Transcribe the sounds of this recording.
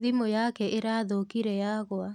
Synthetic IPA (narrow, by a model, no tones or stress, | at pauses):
ðimojakɛʔeɾaːðokiɾɛjaɣwa